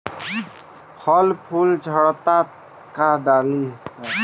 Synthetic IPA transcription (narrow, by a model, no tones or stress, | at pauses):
pʰɔlpʰuld͡ʒʱəɽt̪a | kad̪ali